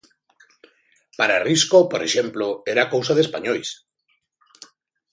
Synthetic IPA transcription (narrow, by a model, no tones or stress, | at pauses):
paɾariskopoɾḛʃemploeɾakowsaðespaɲojs